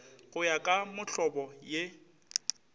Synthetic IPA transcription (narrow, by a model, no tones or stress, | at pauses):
ɣʊjakʼamʊɬɔbɔje